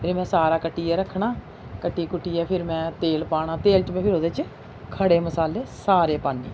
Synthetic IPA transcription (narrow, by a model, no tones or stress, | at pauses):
eɾmɛ̃ːsaːɾaːkəʈːiːɛːɾəkʰːɳaː | kəʈːiːkʊʈːiːɛːpʰɪɾmɛ̃ːt̪eːlpaːɽ̃aːt̪eːlt͡ʃmɛ̃ːpʰɪɾoːd̪eːt͡ʃ | kʰəɽeːməsaːleːsaːɾeːpaːnːḛː